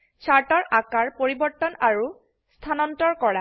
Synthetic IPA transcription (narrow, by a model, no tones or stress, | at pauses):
t͡ʃʰaɹtɔɹʔakaɹpoɹibɔɹtɔnaɹu | st̪ʰanɔntɔɹkɔɹa